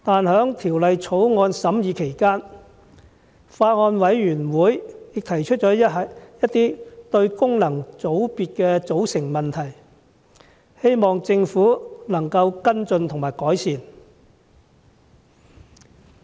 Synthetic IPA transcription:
t̪aː˨˧nhœː˨˥ŋt̪ʰiː˨˩wlɐ˨jt͡sʰo˨˥wŋɔː˧nsɐ˨˥mjiː˨˧kʰe˨˩jkaː˥n | faː˧t̚ŋɔː˧nwɐ˨˥jɥyː˨˩nwuː˨˥jjɪ˨k̚t̪ʰɐ˨˩jt͡ʃʰɵ˥t̚t͡ʃɔː˨˥jɐ˥t̪ːiː˥t̪ɵ˧ɥkʊ˥ŋlɐ˨˩ŋt͡so˨˥wpiː˨t̚kɛː˧t͡so˨˥wsɪ˨˩ŋmɐ˨nt̪ʰɐ˨˩j | he˥jmɔː˨ŋt͡sɪ˧ŋfuː˨˥nɐ˨˩ŋkɐ˧wkɐ˥nt͡sɵ˧nt̪ʰʊ˨˩ŋmaː˨˩jkɔː˨˥jsiː˨n

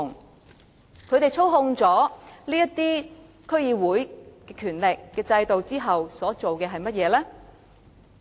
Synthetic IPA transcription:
ŋ | kʰɵ˨˧ɥt̪e˨jt͡sʰo˥wɦʊ˧ŋt͡sɔː˨˥liː˥jɐ˥tt̪ːiː˥ | kʰɵ˥ɥjiː˨˧wuː˨˥jkɛː˧kʰyː˨˩nlɪ˨kːɛː˧t͡sɐ˧jt̪o˨wt͡siː˥ɦɐ˨wsɔː˨˥t͡ʃo˨wkɛː˧ɦɐ˨jmɐ˥t̚jɛː˨˧lɛː˥

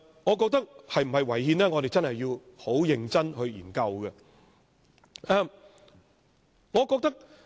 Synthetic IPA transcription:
ŋɔː˨˧k̬ɔː˧k̚t̪ɐ˥k̚hɐ˨jm̩˨˩hɐ˨jwɐ˨˩jhiː˧nlɛː˥ŋɔː˨˧ɾe˨jt͡sɐ˥nhɐ˨jːiː˧who˨˥wjɪ˨ŋt͡sɐ˥nɦɵ˧ɥjiː˨˩nkɐ˧wɡɛ˧ | ʔɛ˨˧m | ŋɔː˨˧kɔː˧k̚t̪ɐ˥k̚

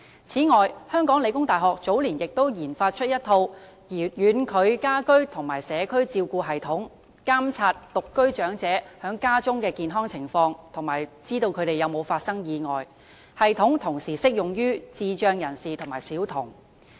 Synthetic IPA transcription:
t͡sʰiː˨˥ŋɔː˨jhœː˥ŋkɔː˨˥ŋle˨˧jkʊ˥ŋt̪aː˨jɦɔː˨k̚t͡so˨˥wliː˨˩njɪ˨k̚t̪o˥wjiː˨˩nfaː˧t̚t͡ʃʰɵ˥t̚jɐ˥t̪ʰːo˧w | jyː˨˧nkʰɵ˨˧ɥkaː˥kɵ˥ɥt̪ʰʊ˨˩ŋmaː˨˩jsɛː˨˧kʰɵ˥ɥt͡siː˧wkuː˧ɦɐ˨jt̪ʰʊ˨˥ŋ | kaː˥mt͡sʰaː˧t̚t̪ʊ˨kːɵ˥ɥt͡ʃœː˨˥ŋt͡sɛː˨˥hœː˨˥ŋkaː˥t͡sʊ˥ŋkɛː˧kiː˨˧nɦɔː˥ŋt͡sʰɪ˨˩ŋfɔː˧ŋt̪ʰʊ˨˩ŋmaː˨˩jt͡siː˥t̪o˧wkʰɵ˨˧ɥɾe˨jɐ˨˧wmo˨˧wfaː˧t̚sɐ˥ŋjiː˨˧ŋɔː˨˩j | hɐ˨jt̪ʰʊ˨˥ŋt̪ʰʊ˨˩ŋsiː˨˩sɪ˥k̚jʊ˨˩ŋjyː˥t͡siː˧t͡ʃœː˧ŋjɐ˨˩nsiː˨t̪ʰʊ˨˩ŋmaː˨˩jsiː˨˥wt̪ʰʊ˨˩ŋ

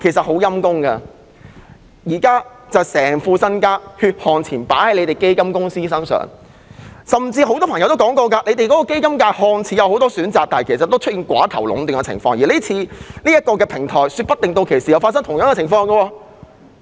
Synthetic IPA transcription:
kʰe˨˩jsɐ˨t̚ho˨˥wjɐ˥mkʊ˥ŋkɐ̰˧ | jiː˨˩kaː˥ | t͡sɐ˨wsɛː˨˩ŋfuː˧sɐ˥nkaː˥hyː˧t̚hɔː˨˩ŋt͡sʰiː˨˩npaː˨˥hɐ˨˧jle˨˧jt̪e˨˩jke˥jkɐ˥mkʊ˥ŋsiː˥sɐ˥ŋsœ̰ː˨˩ŋ | sɐ˨mt͡siː˧ɦo˨˥wt̪ɔː˥pʰɐ˨˩ŋjwt̪o˥kɔː˨˥ŋkɔː˧kaː˧le˨˧jt̪e˨jkɔː˨˥kɔː˧˥ke˥jkɐ˥mkaː˧jhɔː˨˧ŋt͡sʰiː˨˥jɐ˨˧who˨˧wt̪̬ɔː˥syː˨˥nt͡saː˨k̚t̪aː˨˩kʰe˨˩sɐ˨t̪ːo˥wt͡ʃʰt̚iː˨nkwa̰ː˨˥t̪ʰɐ˨˩wlʊ̰˨˧˥ŋt̪i˨ŋɛ˧t͡sʰɪ̰˨˩ŋfɔː˧ŋjiː˨liː˥t͡sʰiː˧niː˥jɐ˥t̚kːɔː˧kɛː˧pʰɪ˨˩ŋt̪ʰɔː˨˩jsyː˧pɐ˥t̪ːɪ˨ŋt̪o˧wkʰe˨˩jsiː˨jɐ˨˧wfaː˧tsɐ˥ŋt̪ʰʊ˨˩ŋjɐ˥kɛ˧ɪ˨˩ŋfɔː˧ŋɡɐ˧wɔː˧

